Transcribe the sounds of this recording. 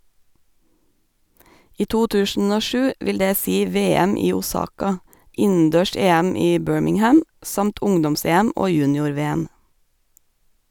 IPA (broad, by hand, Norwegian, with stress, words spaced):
ˈiː ˈtuː ˈtʉːʃn̩ ˈoː ˈʃʉː ˈʔʋɪl ˈdeː ˈsiː ˈʋeːɛm ˈiː uːˈsɑːkɑ ˈɪn̩ˌdøːˈʃeːæm ˈiː ˈbøːɹmɪŋˌhæm ˈsɑmt ˈʊŋdɔmˌseːæm ˈoː ˈjʉːnɪʊɾˌʋeːəm